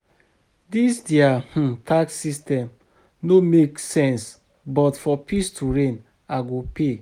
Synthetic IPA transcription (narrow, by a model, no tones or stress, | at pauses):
disdeah̩tʰakssistɛ̃m | nomeksɛ̃ns | bɔtfɔpistuɹẽn | aɡope